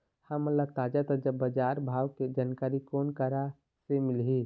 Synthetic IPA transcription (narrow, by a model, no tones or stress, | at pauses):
həmːəlləb̚t̪ad͡ʒat̪əd͡ʒəbːəd͡ʒaːɾbʱaːwked͡ʒaːnkaːɾikoːnkəɾa | semɪlɦi